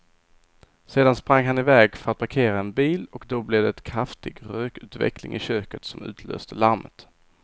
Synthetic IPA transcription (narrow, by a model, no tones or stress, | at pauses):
seːd̪anspɾaŋːɦanɪvɛːɡfœɾat̪̚pʰaɾkʰeːɾaɛnbiːlɔkd̪ɔblɛd̪ɛɛt̪kʰɾaft̪ɪɡɾøːkʉ̟ːt̪vɛ̰klɪ̰ŋʔɪɕøːkət̪sɔmʉ̟ːt̪ʰlø̰ːst̪əlaɾmət̪